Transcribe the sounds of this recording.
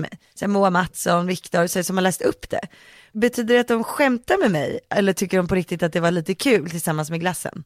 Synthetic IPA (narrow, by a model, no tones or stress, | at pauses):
mɛ̰j | sɛmuamat̪sɔnvɪkt̪ɔɾssɔmhaɭɛːst̪ɵpːd̪ɛ̰ | bɛt̪ʰyːd̪əɖɛat̪̚d̪ɔmɧɛmt̪aɾmɛmɛ̰jʔɛlːəʈʰʏkːəɖɔmpʰɔɾɪk̚t̪ɪt̪at̪̚d̪ɛvaɭiːt̪əkʰʉ̟ːlt̪ʰɪlsamːansmɛɡlasːə̰n